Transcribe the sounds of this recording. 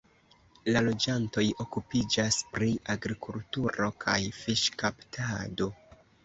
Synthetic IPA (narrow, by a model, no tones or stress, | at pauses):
lalo̞d͡ʒanto̞jo̞kupid͡ʒaspɾiʔaɡɾikultuɾo̞kʰa̰jfiʃkaptʰado̞